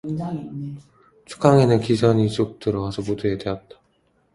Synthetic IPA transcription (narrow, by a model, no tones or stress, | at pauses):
t͡ɕʰu̥k͈ʰaŋenɯnkisʰʌɲit͡ɕ͈ok̚t͈ɯɾʌɡasʰʌpuduedwe̞ʌt̚t͈ḁ